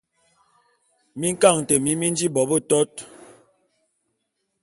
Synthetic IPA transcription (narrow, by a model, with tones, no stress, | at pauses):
mi˦ŋ̩˦ka˦˨ŋ˨te˨mi˦mi˦n˦d͡ʒi˦bɔ˨˦bə˦˨tɔ˦t̚